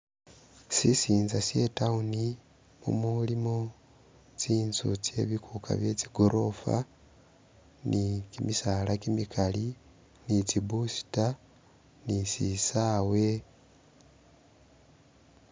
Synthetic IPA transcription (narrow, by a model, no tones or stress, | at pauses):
sisiːnzasje̞tauni | mṵmulimo | t͡siːnzṵt͡se̞̰βikʰukʰa̰βje̞t͡siɡoɾʔo̞fa̰ | nikimisalakimikʰali | nit͡sibusi̥ta | nisisaːwe̞